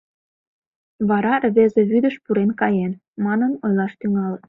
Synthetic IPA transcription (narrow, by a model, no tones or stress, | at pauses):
βɑɾɑrβezeβyd̪əʃpuɾenkɑjen | mɑnənojlɑʃt̪yŋɑl